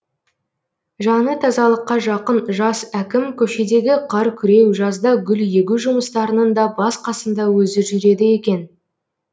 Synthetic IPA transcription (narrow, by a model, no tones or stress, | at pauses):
ʒɑnət̪ʰɑzɑlˠəqːɑʒɑqənʒɑsækʲɪmkʲʰɵʃe̞d̪e̞ɡʲɪqʰɑɾkʲʰʏɾe̞wʒɑzd̪ɑɡʲʏlje̞ɡʲuʒʊməst̪ɑɾənənd̪ɑbɑsqʰɑsənd̪ɑwɵzɪʒʏɾe̞d̪ɪje̞kʲe̞n